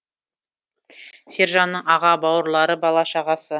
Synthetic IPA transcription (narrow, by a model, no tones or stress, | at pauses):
se̞ɾʒɑnːəɴɑʁɑbɑwəɾlˠɑɾəbɑlˠɑʃɑʁɑsə